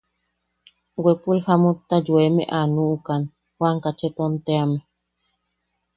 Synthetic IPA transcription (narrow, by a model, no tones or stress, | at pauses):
wepulhamut̪ːad͡ʒwemḛʔanuʔukan | hwʷaŋkat͡ʃet̪ont̪eame